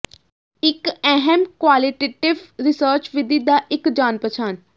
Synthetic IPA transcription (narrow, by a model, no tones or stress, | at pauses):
ɪkɛɦɛmkʋaːlɪʈeːʈɪʋɾɪsəːɾt͡ʃʋɪd̪iːd̪aːʔɪkd͡ʒaːnpɾət͡ʃʰaːn